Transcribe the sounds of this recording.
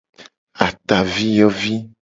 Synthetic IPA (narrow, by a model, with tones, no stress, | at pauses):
a˨t̪a˨vi˦jɔ˦vi˦